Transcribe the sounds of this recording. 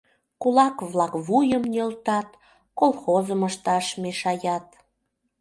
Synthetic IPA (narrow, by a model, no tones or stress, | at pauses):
kulɑkβlɑkβujəmnʲølt̪ɑt̪ | kolˠxozəməʃt̪ɑʃmeʃɑjɑt̪̚